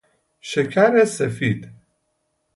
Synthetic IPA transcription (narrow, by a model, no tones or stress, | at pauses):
ʃekʰæɾesefiːd̪